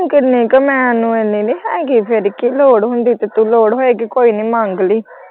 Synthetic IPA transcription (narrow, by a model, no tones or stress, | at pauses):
kənĩːkəmɛ̃ːnũːẽːniːliːɦɛ̃ːkipʰɪɾkiloːɽɦʊ̃nd̪iːt̪eːt̪uloːɽɦoːeːɡikoːiːniːmãŋɡliː